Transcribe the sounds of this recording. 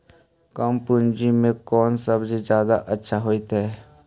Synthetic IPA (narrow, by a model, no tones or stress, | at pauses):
kəmpʊnd͡ʒimẽkɔːnsəbd͡ʒzjaːd̪a̰ʔətːʃʰaɦoːit̪ɦɛː